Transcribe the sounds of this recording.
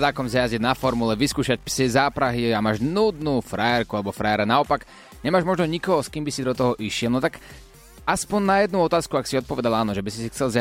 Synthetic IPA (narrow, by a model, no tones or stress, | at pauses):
d̪aːkɔmzajazid̪nafɔɾmulɛʋiskuːʃac̚psɛzaːpɾaɦiamaːʒnuːd̪nuːfɾajɛɾkualɛbɔfɾajɛɾɛnaɔpaɡ | ɲɛmaːʒmɔʒnɔɲikɔɦɔskiːmbisid̪ɔt̪ɔɦɔʔiʃɪɛlˠnɔt̪ak | aspɔnnajɛd̪̚nuɔt̪aːskuaksiɔt̪̚pɔʋɛd̪alaːnɔʒɛbisisixt͡sɛlz